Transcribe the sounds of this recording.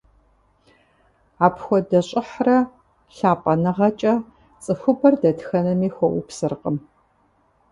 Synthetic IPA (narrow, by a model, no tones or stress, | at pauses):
aːpxʷɔdɐɕʼɪħrɐ | ɬaːpʼɐnɨʁɐt͡ʃʼɐ | t͡sʼɨxʷʊbʰɐrdɐtxɐnɐmiːxʷɔʔʊpsɨrqʼəm